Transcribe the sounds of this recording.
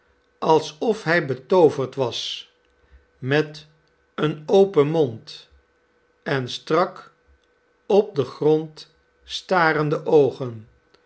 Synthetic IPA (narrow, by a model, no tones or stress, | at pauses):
ɑlˠsɔfɦɛjbətowvəɹtʋɑs | mɛt | ənowpənmɔnt | ɛnstrɑk | ɔp̚dəχrɔnt | staːɾəndəʔowχən